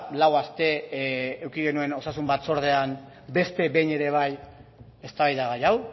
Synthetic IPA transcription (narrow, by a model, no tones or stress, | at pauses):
lawast̪e̞ː | wkiɣe̞nue̞no̞sasumbat̪so̞ɾð̞eam | be̞st̪e̞be̞jɲe̞ɾe̞β̞aj | e̞st̪aβajðaɣajaw